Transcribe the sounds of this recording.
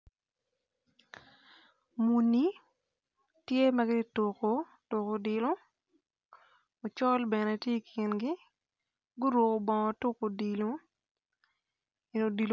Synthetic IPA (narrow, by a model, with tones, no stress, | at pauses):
mu˨ni˨˦ | tje˦ma˦ɡɪ˦to˨ko˨ | tʊ˨ko˨di˨lo˦ | o˨t͡ʃɔ˦lbɛ˨ne˨tje˦˨kʰɪ˨nɡɪ˦ | ɡʊ˦ɾwo˨ko˨bɔ˨ŋɔ˨to˦ko˨di˨lo˦ | ɪ˨no˨di˨l